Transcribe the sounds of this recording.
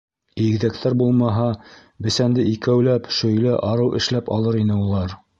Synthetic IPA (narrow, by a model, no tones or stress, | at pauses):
iɡðæk̚t̪ʰæɾbulˠmɑɦɑ | bɘ̆sænd̪ɘikæwlæpʃɵ̆jlɘʔɑɾɤwʔɘ̆ʃlæpɑ̰lˠɤɾinɘulˠɑɾ